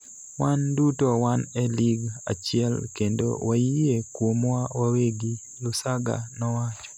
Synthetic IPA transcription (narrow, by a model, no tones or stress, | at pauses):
wandutowanɛliɡa̰t͡ʃɪɛlkendo̰waijekwomwawaweɡi | lʊsaɡa̰nɔwat͡ʃɔ̥